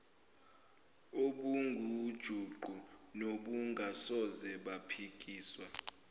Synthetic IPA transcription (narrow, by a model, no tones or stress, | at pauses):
oɓuŋɡʱud̥ʒ̥ʱuǃunoɓuŋɡʱasɔzɛɓapʰik̬ʼiːswa